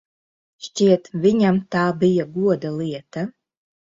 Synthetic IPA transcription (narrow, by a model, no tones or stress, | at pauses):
ʃt͡ʃiːtʰvɪɲʲamtʰaːbɪjɐɡuɔdɐliɛtʰɐ